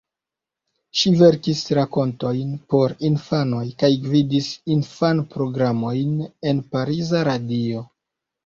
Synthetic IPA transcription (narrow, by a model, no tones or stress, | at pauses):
ʃive̞ɾkisɾako̞nto̞jnpo̞ɾinfano̞jkajɡvidisinfanpɾo̞ɡɾamo̞jne̞npaɾizaɾadio̞